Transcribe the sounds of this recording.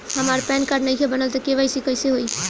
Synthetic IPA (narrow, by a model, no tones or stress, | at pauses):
həmaɾpɛnkaɾɖnəɪkʰebənəlt̪əkeʋajsikəɪseɦoi